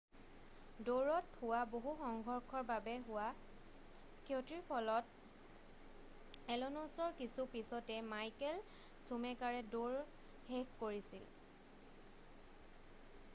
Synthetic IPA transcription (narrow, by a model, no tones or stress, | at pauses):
doɹɔthʊwaboɦuxɔŋɡʱɔɹkʰɔɹbabɛɦʊwa | kotɹiɹpʰɔlɔt̚ | ɛlɔnɔsɔɹkisupisɔtɛmajkɛl | sumɛkaɹɛdoɹ | hekkoɹisil